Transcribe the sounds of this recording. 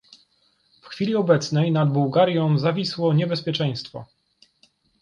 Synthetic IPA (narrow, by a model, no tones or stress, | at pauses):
fxfʲilʲiɔbɛt̪snɛjnad̪buwɡaɾʲjɔ̃w̃zavʲiswɔɲɛbɛspʲjɛt͡ʂɛ̃j̃st̪fɔ̰